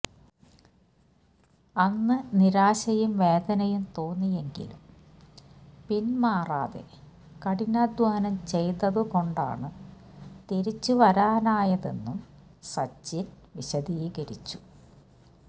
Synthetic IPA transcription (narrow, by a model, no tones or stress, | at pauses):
ɐnːɨniɾaːɕɐjumʋe̞ːd̪ɐnɐjumt̪o̞ːnːije̞ŋɡḭlum | pinmaːra̰ːðḛ | kɐɽinaːd̪waːnɐmt͡ɕe̞jt̪ɐðɨko̞ɳɖa̰ːɳɨ | t̪eɾit͡ɕːuʋɐɾaːnaːjɐðe̞̰nːum | sɐt͡ɕːin | ʋiɕɐd̪iːɣɐɾit͡ɕːu̥